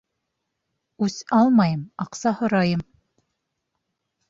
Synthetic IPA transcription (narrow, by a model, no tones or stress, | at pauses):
ʉsɑlˠmɑjɤmɑqsɑhŏɾɑjɤm